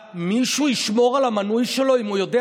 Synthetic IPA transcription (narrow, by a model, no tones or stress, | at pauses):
miʃuiʃmoʁalamanujʃelo̞imujod̪e